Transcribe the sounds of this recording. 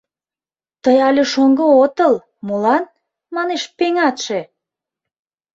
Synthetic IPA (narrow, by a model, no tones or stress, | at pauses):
t̪əjɑlʲeʃoŋɡoot̪əl | mulɑn | mɑneʃpeŋɑt̪ʃe